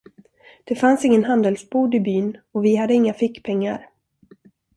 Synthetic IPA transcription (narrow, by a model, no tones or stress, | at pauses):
d̪̥ɛfansɪŋːənɦand̪ɛlsbuːd̪ɪbyːnɔvɪhad̪ːəɪŋːafɪkːpʰɛŋːa̰ɾ